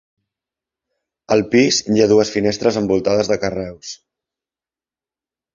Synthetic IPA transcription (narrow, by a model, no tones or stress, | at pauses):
əlˠpizjaðuəsfinest̪ɾəzəmbulˠt̪aðəzðəkərɛws